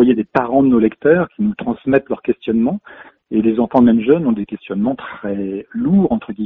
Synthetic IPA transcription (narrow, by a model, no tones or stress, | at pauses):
ajed̪epaʁɑ̃d̪ənolɛkt̪œːʁkʲinut̪χɑ̃smɛt̪lœʁkʲɛst̪jɔnmɑ̃ | elezɑ̃fɑ̃mɛmʒœnɔ̃d̪ekʲɛst̪jɔnmɑ̃t̪χɛluːʁɑ̃t̪χəɡʲi